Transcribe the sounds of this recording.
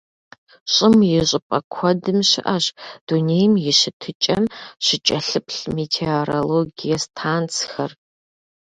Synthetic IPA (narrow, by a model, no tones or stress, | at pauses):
ɕʼɪmjɪɕʼɪpʼɐkʷʰɔdɨmɕɪ̰ʔɐɕd̥uneːjmjɪɕɪtʰɨt͡ʃʼɐmɕɪt͡ʃʼɐɬɨpʰɬmetʰeoɾoloɡijɐstʰaːnt͡sʰxɐr